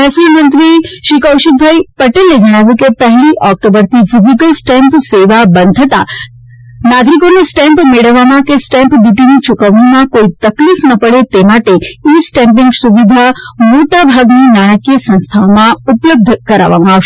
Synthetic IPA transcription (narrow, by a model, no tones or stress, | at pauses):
ɛsumə̃nt̪ɾiʃiːkəwʃik̚bʱajpɐʈelːed͡ʒəɽ̃aːʋjuk̬epɐɦliʔɔk̚ʈobəɾt̪ʰifʰɪzik̬əlsʈɛ̃mpseːʋabənd̪ʱət̪a̰ | naːɡɾik̬onesʈɛ̃mpmeɽəʋamãkesʈɛ̃mpbjuːʈinit͡ʃʊkəʋɳimãkoːit̪ɐklifnɐpəɽet̪emaːʈeisʈɛ̃ːmpɪ̃ŋɡsuʋid̪ʱamoːʈabʱaːɡninaːɽ̃əkiəsɐ̃ñst̪ʰamãʊpləb̚d̪ʱkɐɾa̰ːʋa̰ma